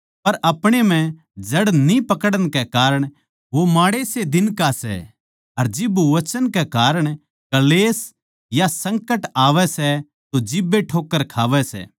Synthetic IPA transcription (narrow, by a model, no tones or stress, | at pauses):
pɐɾʔɐpɽ̃em̤ɛ̃ | d͡ʒɐɽnipɐkəɽəñkɛkaːɾəɽ̃ | ʋomaːɽesed̪ɪnkasɛ̰ | ɐɾd͡ʒɪbuʋɐt͡ʃənkɛkaːɾəɽ̃ | kɐleːs | jasɐ̃ŋkəʈaːʋɛsɛ | t̪od͡ʒɪbːeʈʰoːkːəɾkʰaːʋɛsɛ̰ː